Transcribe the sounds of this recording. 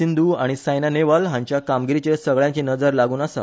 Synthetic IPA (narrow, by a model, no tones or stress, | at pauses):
ind̪ʱuaɽ̃isajnaneʋəlɦãɲt͡ɕjakamɡiɾit͡ɕesəɡɭjãɲt͡ɕinəd͡zəɾlaɡuːnasa̰